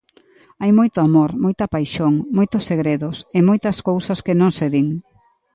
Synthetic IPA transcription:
ajmojt̪ʊamoɾmojt̪ɐpajʃoŋmojt̪ʊseɣɾeðʊsɪmojt̪ɐskowsɐskɪnõŋseðiŋ

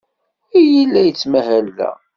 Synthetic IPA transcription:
ijəlːæjət͡sːmæɦælːæ̰

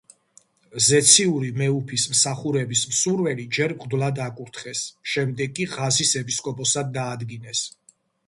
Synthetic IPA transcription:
zɛt̪sʰiuɾimɛupʰismsaχuɾɛbismsuɾvɛlid͡ʒɛɾbʁʼd̪lˠad̪akʼuɾt̪ʰχɛsʃɛmd̪ɛɡkʼːiʁazisɛpiskʼɔpʼɔsad̪ːaːd̪ɡinɛs

